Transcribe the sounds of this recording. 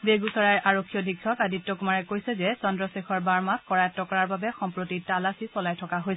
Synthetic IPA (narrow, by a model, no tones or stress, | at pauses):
beɡusɔɹajɹʔaɹokʰːijɔdʱikʰːɔkaditːɔkumaɹɛkojsɛzɛsɔndɹɔsexʰɔɹbaɹmakkɔɹajɛtːɔkɔɹaɹbabɛxɔmpɹotitalasisɔlajtʰɔkaɦojsɛ